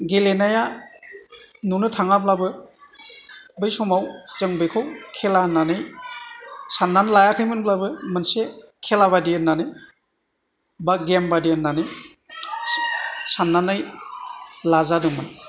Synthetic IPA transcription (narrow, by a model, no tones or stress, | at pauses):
ɡelenaja | nunɯtʰaŋablabɯ | bɯjsɔmawzɯŋbɯjkʰɔwkʰelanːanɯj | sanːanlajakʰɯjmɯnblabɯmɯnsekʰelaβadiənːanɯj | baɡembadiənːanɯj | sanːanaj | lazadɯmɯn